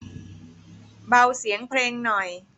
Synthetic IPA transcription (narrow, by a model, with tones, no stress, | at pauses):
ba˧wsi˩˦əŋpʰleː˧ŋnɔ˨˩j